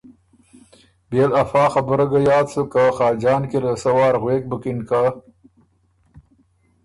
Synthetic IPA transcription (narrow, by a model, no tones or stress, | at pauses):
belɐfɑːxɐbəɾɐɡɐjɑːd̪sukaxɑːd͡ʒɑːnkiɾəsɐwɑːɾɣweːk̚bəkinka